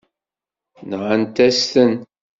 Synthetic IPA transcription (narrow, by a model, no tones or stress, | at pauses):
nʁənt̪æst̪ən